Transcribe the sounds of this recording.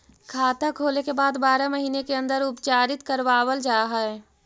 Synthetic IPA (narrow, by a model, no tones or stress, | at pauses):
kʰaːt̪akʰoːlekebaːd̪baːɾaməɦiːnekeɐ̃nd̪əɾʊpt͡ʃaːɾɪt̪kəɾʋaːwəld͡ʒaːɦaɛ